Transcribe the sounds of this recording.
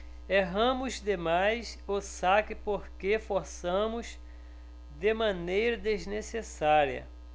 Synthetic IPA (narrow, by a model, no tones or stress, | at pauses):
eɦɐ̃mʊzd̪emajsosakɪpoɾkefoɾsɐ̃mʊz | d̪ɪmɐ̃nejɾɐd̪eznesesaɾiɐ̰